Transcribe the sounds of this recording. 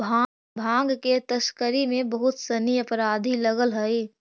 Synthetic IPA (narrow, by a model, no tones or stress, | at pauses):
a | bʱãːŋɡket̪əskəɾemẽbəɦʊt̪səniəpɾaːd̪ʱiləɡəlɦəe